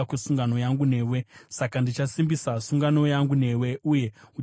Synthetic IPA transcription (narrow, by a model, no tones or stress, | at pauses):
kusuŋɡano̞jaŋɡune̞ːwe̞sakandit͡ʃasimbisasuŋɡano̞jaŋɡune̞we̞uje̞u